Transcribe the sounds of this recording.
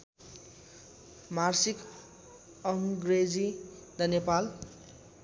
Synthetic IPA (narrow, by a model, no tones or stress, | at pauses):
marsik | ʌŋɡred͡zid̪ʌnjʌpal